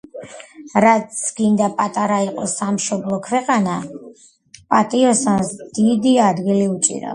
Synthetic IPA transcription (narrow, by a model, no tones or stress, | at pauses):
ɾat̪sʰɡ̥ind̪apʼat̪ʼaɾaiqʼɔsamʃɔblˠɔkʰwɛqʼana | pʼat̪ʼiɔsansd̪̥id̪iad̪ɡiliut͡ʃʼḭɾa̰